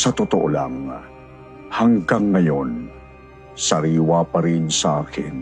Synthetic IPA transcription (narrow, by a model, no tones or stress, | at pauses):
sɐt̪ʊt̪oʔo̰laŋ | haŋɡaŋːɐjon | sɐɾiːwapɐɾɪnsaaːkɪ̰n